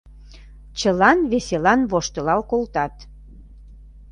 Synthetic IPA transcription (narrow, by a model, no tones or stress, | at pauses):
t͡ɕəlɑnβeselɑnβoʃt̪ə̆lɑlkolt̪ɑt̪